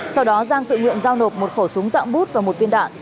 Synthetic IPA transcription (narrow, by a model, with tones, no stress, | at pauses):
sa˧wɗɔ˨˦zaː˧ŋt̪ɨ̰˧˨ŋwḭ˧˨ənzaː˧wno˨˩p̚mo˨˩t̚xo˧˩sʊ˨˦əŋza̰ː˧˨ŋ͡mɓu˦˥t̚vaː˨˩mo˨˩t̚vi˧ənɗa̰ː˧˨ʔ